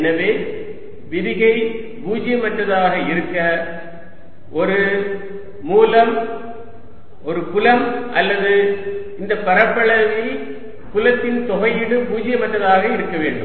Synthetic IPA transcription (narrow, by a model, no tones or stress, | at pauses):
ɛnɐʋeː | ʋɪðɪɣɐɪ | puːd͡ʒɪjɐmɐʈːɐðaːɣɐɪɾɯkːɐ | ʔɔɾɯː | uːlɐm | ɔɾɯkʊlɐmʔɐlːɐðɯ | ɪnd̪ɐpːɐɾɐpːɐɭɐʋɐɪ | kʊlɐt̪ːɪnt̪ɔɣɐjɪɽɯpuːd͡ʒɪjɐmɐʈːɐðaːɣɐɪɾɯkːɐʋeːɳɖɯ̰m